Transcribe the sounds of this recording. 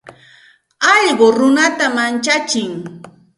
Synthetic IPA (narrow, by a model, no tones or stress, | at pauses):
ɑʎɢoɾʊnat̪amant͡ʃat͡ʃɪŋ